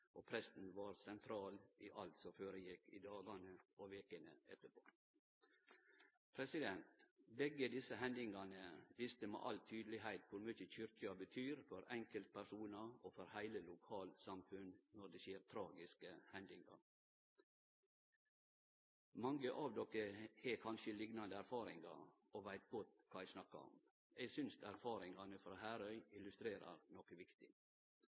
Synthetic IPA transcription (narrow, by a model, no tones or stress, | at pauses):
ʔoːpʰɾɛst̪n̩ʋɑːɾsɛnt̪ʰɾɑːlʔiʔɑlt̪sɔføːɾəjɪkːḭːd̪ɑːɡɑnəʔoʋeːkənə̰ʔɛ̰t̪ːəpʰo̰ː | pʰɾɛsɪd̪ɛnt̪bɛɡəd̪ɪsəɦɛnd̪ɪŋɑnəʋɪst̪əmḛːʔɑlt̪ʰyːd̪lɪɦæɪt̪kʊɾmyçəçʏɾtəɑbət̪ʰyːɾfɔɾɛŋkəlt̪̚pʰæʂuːnɑoːfɔɾhæɪləlʊkʰɑːlsɑmfʉnnɔɖ̪eːʃeːɾt̪ʰɾɑːɡɪskəhɛnd̪ɪŋɑ̰ɾ | mɑŋɡəʔɑʋd̪ɔkəheːkʰɑnʃəlɪɡnɑnd̪əæɾfɑːɾɪ̰ŋɡɑ̰ | oːʋæɪt̪̚ɡɔt̪kʰɑːɛsnɑkːɑ̰ɔ̰m | eɡsʏnsæɾfɑːɾɪŋɑnəfɾɑːhæːɾœʏɪlʉst̪ɾeːɾɑ̰ɾnɔkəʋɪkt̪ɪ